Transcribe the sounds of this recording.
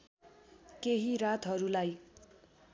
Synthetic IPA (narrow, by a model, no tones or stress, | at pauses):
keɦiɾat̪ɦʌɾulaj